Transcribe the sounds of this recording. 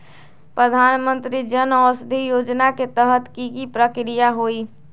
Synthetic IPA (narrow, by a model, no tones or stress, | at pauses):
pɾəd̪ʱanmənt̪ɾid͡ʒənɔsd̪ʱijod͡ʒnaket̪əɦət̪kikipɾəkɾijaɦoi